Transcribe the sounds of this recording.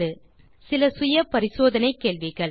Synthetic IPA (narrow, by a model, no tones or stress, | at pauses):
ɯ | sɪlɐsʊjɐpɐɾɪsoːðɐnɐɪkːeːɭʋɪɣɐɭ